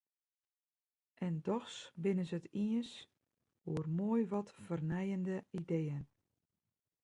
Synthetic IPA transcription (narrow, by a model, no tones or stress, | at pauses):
ʔɛndɔxsbɪnəsətiəns | uərmoːjʋɔtfərnɛjəndəideːən